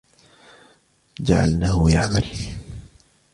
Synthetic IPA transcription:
d͡ʒa̰ʕa̰lnahʊjaʕmal

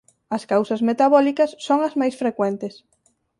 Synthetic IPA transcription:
ɐskawsɐzmet̪aβɔlikɐsːoŋɐzmajsfɾekwɛnt̪ɪs

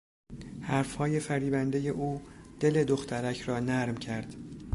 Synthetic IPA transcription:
hæɾfhɒːje̞fæɾiːbænd̪e̞je̞ʔuːd̪̥e̞le̞d̪oxt̪ʰæɾæcʰɾɒːnæɾmcʰæɾd̪̥

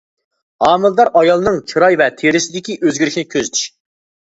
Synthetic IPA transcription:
hɑːmɨlˠd̪ɑɾʔɑjɑlˠɨnɨŋt͡ʃʰɨɾɑjvɛt̪ʰeɾɪsɪd̪ɪkʲiʔøzɡʲyɾyʃʲnɪkʲʰøzt̪ʰy̥ʃ

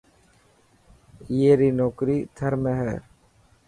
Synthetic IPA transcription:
jeːɾiːnoːkɾiːt̪ʰəɾməɦɛɾ

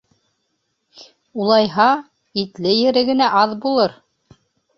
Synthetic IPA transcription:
ulˠɑjɦɑ | it̪lɘjɘ̆ɾɘɡɘ̆næʔɑðbulˠɤɾ

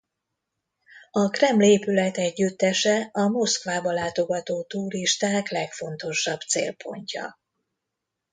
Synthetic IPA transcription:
ɒkrɛmleːpylɛt̪ɛɟːyt̪ːɛʃɛɒmo̞skʋaːbɒlaːt̪o̞ɡɒt̪oːt̪uːɾiʃt̪aːklɛkfo̞nt̪o̞ʃɒbt̪sḛːlpʰo̞̰ɲcɒ̰

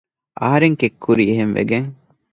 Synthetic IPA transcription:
ʔɐ̰ɦɐɾeŋkekːuɾiːɦenʋḛɡeŋ

